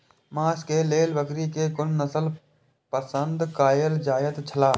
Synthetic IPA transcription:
mãːskeleːlbəkɾikekʊnːəsəl | pəsə̃nd̪kaːjəld͡ʒaːjət̪t͡ʃʰəlaː

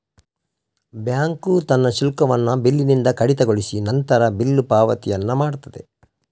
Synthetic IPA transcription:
bjaːŋkut̪ɐnːɐʃilkɐʋɐnːɐbilːinind̪ɐkɐɽit̪ɐɡoɭisinɐnt̪ɐɾɐbilːupaːʋɐt̪ijɐnːɐmaːɽut̪ɐd̪e

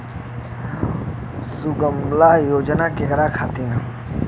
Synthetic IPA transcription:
suɡəmlajoːd͡ʒnaːkekɾakʰaːt̪ina

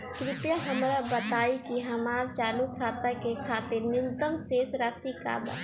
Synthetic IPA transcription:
k̪ɾɪpjəɦəmɾabət̪aːikiɦəmaːɾt͡ʃaːlukʰaːt̪əkekʰaːt̪eɾnɪnt̪əmseːsɾaːsika̰ːba̰

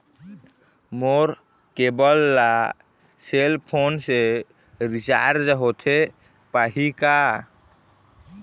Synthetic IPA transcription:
moɾ | kebɔlːa | selpʰonse | ɾit͡ʃa̰ɾd͡ʒəɦot̪ʰe | paɦika

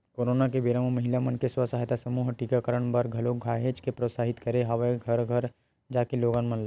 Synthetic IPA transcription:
koːɾoːnakebiɾəmmɐɦɪlamənkeswasaːɦjt̪asɐmuːɦʈikakəɾəɳ̃bəɾɡʱɐloɡʱaːɦet͡ʃkepɾosaːɦɪt̪kɐɾeɦɐʋeɡʱɐɾɡʱəɾ | d͡ʒaːkeloːɡanmənla

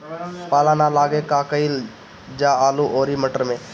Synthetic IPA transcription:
paːlaːnalaːɡekaːkəil | d͡ʒaːaːluʔoːɾiməʈəɾmẽː

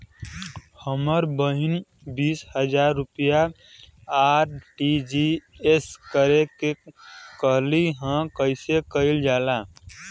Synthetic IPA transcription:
həməɾbəɦin | biːshəd͡ʒaːɾːupija | aɾʈid͡ʒieskəɾekekəɦliɦə̃kəɪsekəɪld͡ʒaːla

